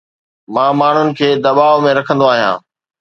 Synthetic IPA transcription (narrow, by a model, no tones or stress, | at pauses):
mãːmaːɳ̤ʊnɪ̆kʰeːd̪ɐbaːʋmẽɾɐkʰə̃nd̪oaːɦijã̰ː